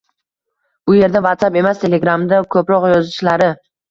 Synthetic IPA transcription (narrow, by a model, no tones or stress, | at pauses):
ʊje̞ɾd̪avat̪sape̞mast̪ʰe̞le̞ɡɾamd̪akʰɵpɾɒqjɒzɪʃlaɾɪ